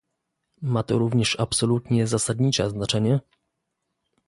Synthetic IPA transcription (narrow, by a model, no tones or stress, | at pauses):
mat̪ɔɾuvɲɛʂapsɔlut̪ɲɛzasad̪ɲit͡ʂɛ̰znat͡ʂɛɲɛ